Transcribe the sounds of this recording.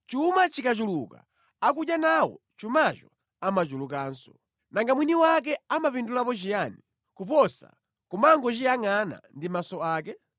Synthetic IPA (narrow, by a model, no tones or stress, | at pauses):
t͡ʃumat͡ʃikat͡ʃuluka̰ː | k̬uɗjanawɔ̰ | t͡ʃumat͡ʃɔ | amat͡ʃuluk̬aːnsɔ | naŋɡamwiniwak̬ɛamapindulapɔt͡ʃijani | kupɔsa̰ | kumaŋɡɔt͡ʃijaŋana̰ndimasɔaːkɛ